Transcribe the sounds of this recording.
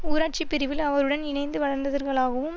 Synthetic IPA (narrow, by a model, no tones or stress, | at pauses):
uːɾaːʈ̚t͡ʃipːɪɾɪʋɪlɐʋɐɾɯɽɐnɪɳɐɪnd̪ɯʋɐɻɐɾnd̪ɐðɐɾɣɐɭaːɣɐʋɯm